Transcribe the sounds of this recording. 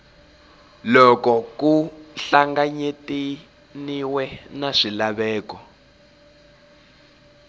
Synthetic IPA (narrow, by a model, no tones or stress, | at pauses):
lɔkɔkuɬaŋɡaɲeti | niwɛnaʂilaβɛːkɔ